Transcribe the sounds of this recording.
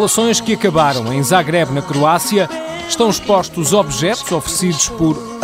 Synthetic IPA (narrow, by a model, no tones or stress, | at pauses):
lˠɐsõj̃ʃkɨɐkɐβaɾɐ̃w̃ɐ̃j̃zaɣɾɛβnɐkɾuasjɐ | ʃt̪ɐ̃w̃iʃpɔʃt̪uzɔβʒɛt̪uz̥ɔfɾsiðuʃpɔɾ